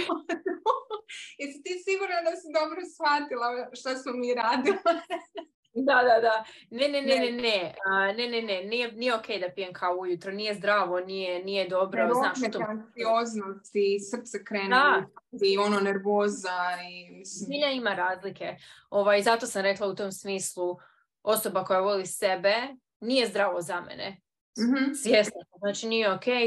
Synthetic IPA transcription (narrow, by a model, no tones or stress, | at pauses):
jesit̪isiɡuɾnad̪asid̪o̞bɾosxat̪ilˠaʃt̪asmomiːɾaːd̪ilˠa | d̪ad̪ad̪ane̞neneneneəne̞nenenije̞nije̞ok̟e̞jd̪apijemkʰaoujut̪ɾonije̞zd̪ɾaːʋo̞nije̞nije̞d̪o̞bɾoznaːʃt̪oioːznost̪isr̩t̪sɛkɾeːnd̪aiononeɾʋoːzaimisiʎanimaɾaːzlike̞o̞ʋajzat̪o̞samɾe̞klˠaut̪o̞ːmsmiːslˠu | o̞so̞bako̞jaʋo̞lise̞be̞ | nije̞zd̪ɾaːʋozamḛnḛ | sʋje̞sot̪oznaːt͡ʃinijeoke